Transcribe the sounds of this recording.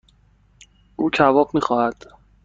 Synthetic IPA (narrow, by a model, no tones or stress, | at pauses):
ʔuːcʰævɒːɢmiːxɒːhæd̪̥